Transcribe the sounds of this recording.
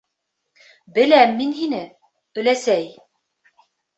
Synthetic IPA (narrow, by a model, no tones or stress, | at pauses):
bɘ̆læmːinhinɘ | ɵ̆læsæj